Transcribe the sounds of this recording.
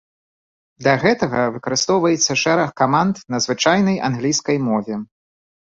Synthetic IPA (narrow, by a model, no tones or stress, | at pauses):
d̪lʲɐɣɛt̪ɐɣɐvɨkɐɾɨst̪ɔwvɐjɛt̪sːɐʂɛɾɐxkːamant̪nɐzvɨt͡ʂajnɐjʔa̰nɣlʲijskɐjmɔvʲɛ